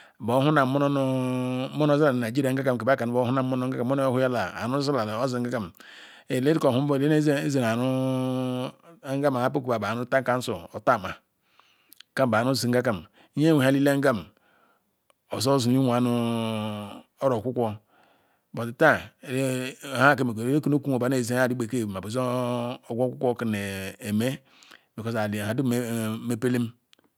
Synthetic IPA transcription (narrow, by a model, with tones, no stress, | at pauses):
bo˨˦hu˦na˨m˨mo˦n˦n˦mo˦n˦o˦za˦la˨na˨d͡ʒi˦ɾa˨ŋ̩˦a˦ka˦˨m˨ke˨ba˦ka˨n˨˦o˦hu˦na˨˦o˦no˦ɡa˦ka˨˦o˦n˦o˦hu˦ja˦la˨a̰˨nu˦za˦la˨lo˦zi˨ŋ̩˦ɡa˦ka˨m | e˨le˦ti˦ko˨hu˦bo˦˨de˦n˦e˦ze˨n˨a˨nu˦ | ŋɡa˦ma˨a˦p̬o˦ku˨ba˨ba˨nu˦ta˦ŋka˦n̩˦so˨o˨ta˦˨ma˨˦ | ka˦˨ba˨nu˦zi˨ŋ̩˦ɡa˦ka˨m˦ | je˦we˨a˦li˦le˦ŋ˦ɡa˦˨m | o˨so˦zu˨ni˦wʷa˨˦nu˦ | o˦ɾo˨ku˦kʷo˦ | bo˨ti˨˦ta˦˨˦ | ha˦˨ke˦m˨˦e˦ki˦no˦ku˦o˨ba˨˦ne˦˨ze˦a˨di˦be˨ke˦˨ma˨bo˨so˨ɡʷo˦ku˦kʷo˦ki˨ne˨e˨me˦ | bi˨ko˦sa˨ha˨du˦me˦pe˦le˦m